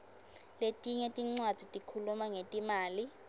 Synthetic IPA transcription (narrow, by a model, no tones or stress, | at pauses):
letʼiɲɛtʼiŋ͡ǀwad̥z̥ʱitʼikʰulumaŋetʼimaːli